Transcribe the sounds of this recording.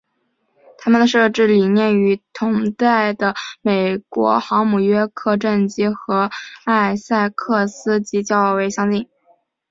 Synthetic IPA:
t̪ʰa˥mə˨nd̪ə˩ʂɤ˥˧ʈ͡ʂɻ̩˥˩li˨˩njɛ˥˩ny˧˥t̪ʰʊ˧˥ŋt̪a˥˩ɪd̪ə˩me˨˩ɪkwɔ̰˧˥xɑ˧˥ʊmu˨˩ɥɛ˥kʰɤ˥˧ʈ͡ʂə˥˩nt͡ɕi˥xɤ˧˥a˥˧ɪsa˥˧ɪkʰɤ˥˩sɹ̩˥t͡ɕi˧˥t͡ɕjɑ˥˩ʊwe˧˥ɪɕjɑ˥ŋt̪i˥˩ŋ

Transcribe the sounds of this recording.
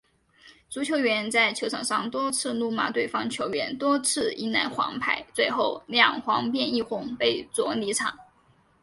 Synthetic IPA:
t͡su˧˥t͡ɕʰjo˧˥ʊɥɛ˧˥nt͡sa˥˩ɪt͡ɕʰjo˧˥ʊʈ͡ʂʰɑ˨˩ŋʂɑ˥˩ŋt̪wɔ˥t͡sʰɹ̩˥˧nu˥˩ma̰˥˧t̪we˥˩ɪfɑ˥ŋt͡ɕʰjo˧˥ʊɥɛ˧˥nt̪wɔ˥t͡sʰɹ̩˥˩i˧˥na˧˥nxwɑ̰˧˥ŋpʰa˧˩˦ɪt͡swe˥˧ɪxo˥˧ʊljɑ˥˩ŋxwɑ˧˥ŋpjɛ˥˧ni˥˩xʊ˧˥ŋpe˥˩ɪt͡swɔ˧˥li˧˥ʈ͡ʂʰɑ̰˨˩˦ŋ

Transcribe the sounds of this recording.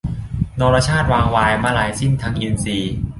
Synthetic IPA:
nɔː˧ɾa˧t͡ɕʰaː˥˩t̪̚waː˧ŋwaː˧jmaː˥˩laː˨˩˦jsi˥˩nt̪ʰa˧˦˥ŋʔi˧nsiː˧

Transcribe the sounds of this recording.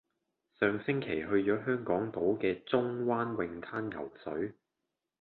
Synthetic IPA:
sœː˨ŋsɪ˥ŋkʰe˨˩jɦɵ˧ɥt͡ʃɔː˨˥ɦœː˥ŋkɔː˨˥ŋt̪o˨˥wkɛː˧t͡sʊ˥ŋwaː˥nwɪ˧ŋt̪ʰaː˥njɐ̰˨˩wsɵ˨˥ɥ

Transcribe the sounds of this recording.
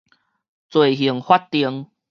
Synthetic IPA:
t͡swe˨˩ɦi˨˩əŋhwa˦t̚t̪i˧əŋ

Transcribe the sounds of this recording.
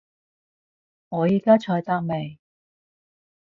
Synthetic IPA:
ŋɔː˨˧jiː˨˧kaː˥t͡ʃʰɔː˧jt̪aː˥k̚me˨j

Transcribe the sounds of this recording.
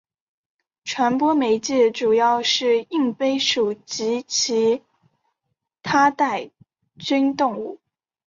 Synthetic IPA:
ʈ͡ʂʰwa˧˥npwɔ˥me˧˥ɪt͡ɕi˥˩ʈ͡ʂu˨˩jɑ˥˧ʊʂɻ̩˥˩i˥˩ŋpe˥ɪʂu˨˩t͡ɕi˧˥t͡ɕʰi˧˥ | t̪ʰa˥t̪a˥˩ɪ | t͡ɕy˥nt̪ʊ˥˧ŋu˥˩

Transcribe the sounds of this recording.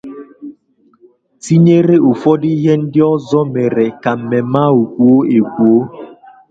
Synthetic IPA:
ti˦ɲe˦ɾe˦o˨fɔ˦di˦i˦ɦe˦n̩˦dɪ˦ɔ˦zɔ˦me˨ɾe˨ka˨m̩˨me˨ma˦u˨kʷu˨o˦e˨kʷu˨o˦

